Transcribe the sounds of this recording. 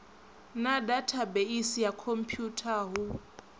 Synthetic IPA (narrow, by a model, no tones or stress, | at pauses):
nadatʰabeisijakʰom̩pʰjutʰaɦu